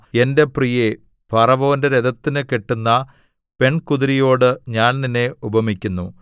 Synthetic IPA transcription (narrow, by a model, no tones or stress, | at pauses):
e̞nde̞prije | bʱɐrɐʋo̞ːnde̞ɾed̪ɐt̪ːinɨkeʈːunːɐ | pe̞ɳkuðiɾijo̞ːɽɨɲaːnninːe̞ubɐmikʲːunːu